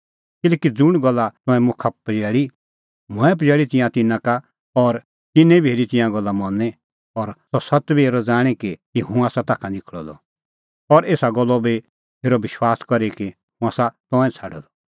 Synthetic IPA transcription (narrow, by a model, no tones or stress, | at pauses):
kɪlɛːkid͡zʊɽ̃ɡɔlːat̪ɔ̃ɛ̃mʊkʰapd͡ʒɛːɭi | mʊ̃ɛ̃p̬ɐd͡ʒɛːɭit̪ɪ̃jãt̪ɪnãka | ɔɾ | t̪ɪnɛ̃biɦeːɾit̪ɪ̃jãɡɔlːamɔnɛ | ɔɾsɔsɐt̪bieːɾɔd͡zaːɽ̃ikit̪iɦũaːsat̪aːkʰãnɪkʰɭɔ̰d̪ɔ̰ | ɔɾeːsaɡɔlːɔbi | eːɾɔʋɪʃwaːskɔɾiki | ɦũaːsat̪ɔ̃ɛ̃t͡sʰaːɖɔ̰d̪ɔ̥